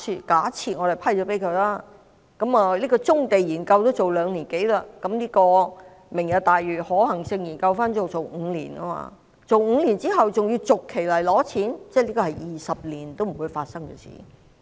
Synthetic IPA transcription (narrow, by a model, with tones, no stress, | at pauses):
i˨˧kaː˨˥t͡sʰiː˧t̚ŋɔː˨˧lpʰɐ˥˩jt͡ʃɔ˨˥pe˨˥jkʰɵ˨˧jlaː˥ | kɐ˨˥maː˨liː˥kɔː˧t͡sʊ˥ŋt̪e˨jjiː˨˩nkɐ˧wt̪o˥wt͡so˨wlœː˨˧ŋliː˨˩nke˨˥jlaː˧kɐ˨˧˥mliː˥kɔː˧ | mɪ˨˩ŋjɐ˨˧wt̪aː˨jɥyː˨˩hɔː˨˥hɐ˨˩ŋsɪ˧ŋjiː˨˩nkɐ˧wfaː˥nt͡so˨wt͡so˨wŋ̩˨˧lḭː˨˩na̰˥ma̰ː˧ | t͡so˨wŋ̩˧liː˨˩nt͡siː˥ɦɐ˨wt͡sʊ˨ŋji˧wt͡sʊ˨kʰːe˨˩jlɐ˨˩jlɔː˨˥t͡sʰiː˨˥nt͡sɛ˥˩liː˥kɔː˧ɐ˨jjiː˨˩sɐ˨p̚liː˨˩nt̪o˥wm̩˨˩wuː˨˧jfaː˧t̚sɐ˥ŋkɛ̰ː˧sḭː˨˩